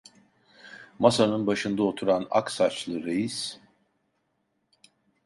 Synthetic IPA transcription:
masanɯnbaʃɯnd̪aot̪ʰuɾana̰ksat͡ʃlˠɯɾejis

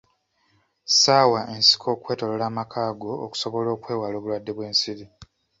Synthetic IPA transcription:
saːwaʔe̞nsi̥kʰo̞ːkwe̞ːto̞lolaːmakʰaːɡo̞ːku̥so̞βo̞lo̞ːkwe̞ːwaloːβulwadːe̞βwe̞ːnsiɾi

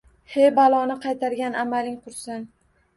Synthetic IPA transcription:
hejbalˠɒnɪqʰɑjt̪ʰaɾɡʲanamalɪŋqʰʊɾsɪn

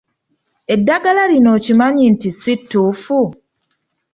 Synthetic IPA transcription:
edːaɡalaɾinoːcimaɲintisitːufu

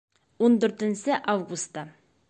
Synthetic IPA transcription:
wond̪ɵɾt̪ɪnsɪʔavɡust̪ɑ

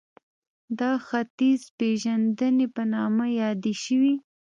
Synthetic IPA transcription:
d̪ɑxat̪izpeʒand̪ənepənɑmajɑd̪eʃəwi

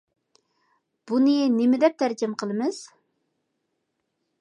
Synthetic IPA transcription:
b̥unɨnemɪd̪ɛp̚t̪ʰæɾkʲʰɪmqʰəlˠɨmɨz̥

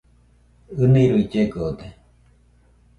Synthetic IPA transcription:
ɯnĩɾuid͡ʒeɡod̪e

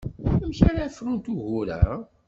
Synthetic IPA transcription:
æmçaɾafɾunt̪uʝuɾæ̰

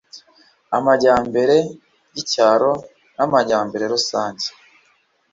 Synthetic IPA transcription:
amaɟaːmbe̞ɾe̞ | jicaːɾo̞ | namaɟaːmbe̞ɾe̞ɾusaːɲɟe̥

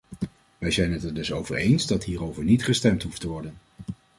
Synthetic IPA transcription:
ʋɛjzɛjnɦətədɵsowvə̰ɹejnzdɑtɦiːrowvəɹnitχəstɛmtɦuftəʋɔɹdən

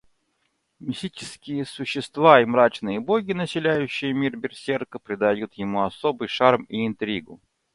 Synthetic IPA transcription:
mʲɪsʲit͡ɕɪ̥skʲɪjəsʊɕːɪst̪vaimɾat͡ɕnɨjəboɡʲɪnəsʲɪlʲæjʉɕːɪjəmʲirbʲɪrsʲerkəpɾʲɪd̪ɐjut̪jɪmuɐsobɨjʂarmiːnt̪ɾʲiɡʊ

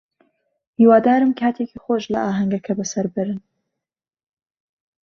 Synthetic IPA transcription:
hiːwaːd̪aːɾɨmkʰaːt̪ʰeːkʰixoʒlɐ̰ʔaːɦɐŋɡɐkʰɐbɐsɐɾbɨɾɨn

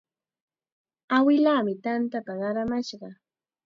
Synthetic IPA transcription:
awɪlaːmɪt̪ant̪apaɢɑɾamaʃɢɑ

